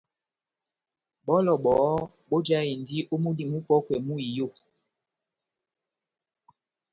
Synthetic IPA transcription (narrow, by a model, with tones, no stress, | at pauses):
ɓɔ˦lɔ˨ɓɔ˨˦ | ɓo˦d͡ʒa˦i˨n˨di˦ʔo˦mu˦di˨mu˦pɔ˦kwɛ˨mu˦i˨jo˦˨